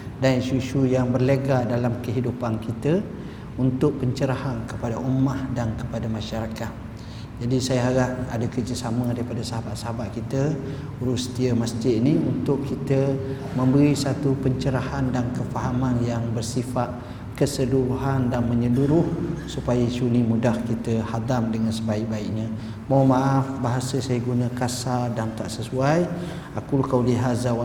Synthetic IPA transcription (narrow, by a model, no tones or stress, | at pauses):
danʃuʃujaŋbərləɡadalamkəɦidupankit̪ə | unt̪ʊk̚pəɲt͡ʃəɾahankəpadaʔumahdankə̥padamãʃaɾakat̪̚ | d͡ʒadisajaɦaɾaʔadakərd͡ʒəsamə̃daɾipadasaɦabat̪̚saɦabat̪̚kit̪ə | uɾust̪iəmasd͡ʒɪiniunt̪ʊʔkʰit̪ə | mə̃mbəɾisat̪upəɲt͡ʃəɾahandankəfaɦamanjaŋbərsifaʔ̪̚ | kəsəluɾuɦandanməɲəluɾʊhsupajəsunimudahkit̪əhad̪amdəŋansəbaiʔ̚baiʔ̚ɲã | mawmaʔafbaɦasəsajəɡunəkasadant̪aʔsəsuaj | akulkawliɦazaw